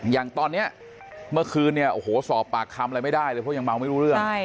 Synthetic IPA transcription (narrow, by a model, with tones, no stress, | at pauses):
jaː˨˩ŋt̪ɔː˧nːi˦˥ɐ | mɯ˥˩ɐkʰɯː˧nːi˥˩ɐʔo˧˩hoː˩˦sɔː˨˦pːaː˨˩kʰːa˧mʔa˧lma˥˩jdaː˥˩jlɤː˧pʰɔ˥˩ja˧ŋma˧wma˥˩jɾuː˦˥ɾɯ˥˩ə˥˩